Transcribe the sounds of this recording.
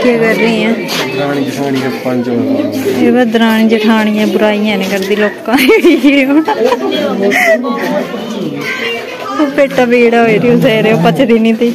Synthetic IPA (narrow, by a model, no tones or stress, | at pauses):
kʰiaːkəɾːiːɛ̃ː | d̪ɾaːɽiːd͡ʒəʈʰaːɽ̃iːd͡ʒəpənt͡ʃoeːbad̪əɾaːɳ̃ĩːd͡ʒəʈʰaːɽ̃ijãːbʊɾaːijãːnẽːkəɾd̪iːloːkːãːiɾoː | oːpeːʈaːbeːɽaːɦoːiːɾeõːzɛːɾeːõːpət͡ʃd̪iːnĩːt̪iː